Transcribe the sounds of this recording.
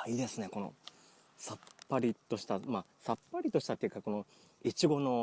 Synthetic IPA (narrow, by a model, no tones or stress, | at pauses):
aid̪e̞sɨne̞ko̞no̰ | sapːaɾʲit̪o̞ɕi̥t̪amaːsapːaɾʲit̪o̞ɕi̥t̪at̪ːeiɯ̟kako̞no̞ | it͡ɕiɡo̞no̞